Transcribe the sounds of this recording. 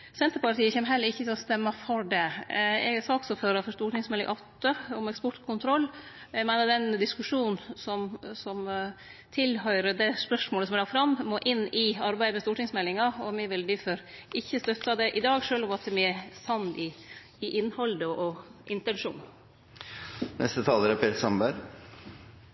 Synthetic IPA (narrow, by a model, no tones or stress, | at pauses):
sɛnt̪əɾpɑʈ̪iːəçɛːmɦɛlːəɾɪçːət̪ʰɛlɔst̪ɛmːɑfɔɖɛɛ̰ɡsɑːksɔføːɾɑfɔʂt̪uːʈɪŋsmɛlɪŋʔɑt̪ːəɔmɛkspɔʈkʰʊnt̪ʰɾɔlːɛmæɪnəd̪ɛnd̪ɪskʉʂuːnnsɔmsɔmt̪ʰɪlhœʏɾəd̪ɛspœʂmoːləsɔmɛlɑfɾɑmːmoːʔɪnːɪɑɾbæɪd̪əmɛst̪uːʈɪŋsmɛlːɪŋɑɔmɪʋɪld̪ɪfɔɾɪçːəst̪œt̪ːɑd̪ɛʔɪd̪ɑːɡʂøːlɔmɑt̪ɛmɪæsɑnːɪː | ʔɪnːhɔld̪əʔɔʔɪnt̪ɛnʂṵːn | nʔɛ̰st̪ət̪ʰɑːləɾəpʰeːt̪sɑmbæɾ